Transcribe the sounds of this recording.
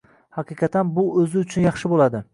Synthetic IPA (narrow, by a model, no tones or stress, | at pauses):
hɑqʰɨqʰɑt̪ʰanbʊɵzɪʊt͡ʃʰʊnjɑχʃɪbolad̪ɪ